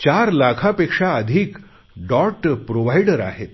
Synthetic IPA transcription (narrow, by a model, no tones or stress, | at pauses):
t͡ɕaɾlakʰapekʂaəd̪ʱiːk | ɖɔɾʈpɾoʋajɖəɾa̰ɦet̪